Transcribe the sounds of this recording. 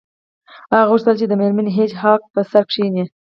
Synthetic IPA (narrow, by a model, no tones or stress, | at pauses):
aɣuʂt̪əlt͡ʃed̪əmeɾmanɦet͡ʃɦɑk̚pəsaɾkʂine